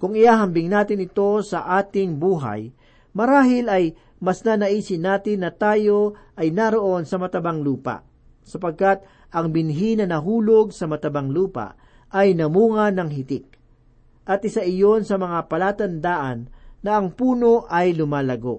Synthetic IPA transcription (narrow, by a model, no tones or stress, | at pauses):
kʊŋɪjaːɦɐmbɪŋnaːt̪ɪnɪt̪o̞sɐʔaːt̪ɪŋbuːɦɐ̰j | mɐɾaːɦɪlɐj | mɐsnanɐʔiːsɪnaːt̪ɪnːɐt̪aːjo̞ʔɐjnaɾo̞ʔo̞nsɐmɐt̪ɐbaŋluːpɐ̰ʔ | sɐpɐɡ̚kat̪̚ | ɐŋbɪnɦinɐnɐɦuːlo̞ɡ̚sɐmɐt̪ɐbaŋluːpɐ̰ʔ | ʔɐjnɐmuːŋɐnɐŋɦɪt̪ɪk̚ | ʔɐt̪ʔɪsaʔɪjo̞nsɐmɐŋapɐlaːt̪ɐnd̪aːʔɐnːɐʔɐŋpuːno̞ʔɐjlʊmaːlɐɡo̞̰ʔ